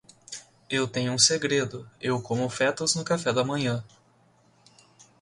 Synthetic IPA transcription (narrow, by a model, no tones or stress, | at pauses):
ewt̪ẽɲʊũseɡɾed̪ʊewkõmʊfɛt̪ɐznʊkafɛd̪ɐmɐ̃ɲɐ̃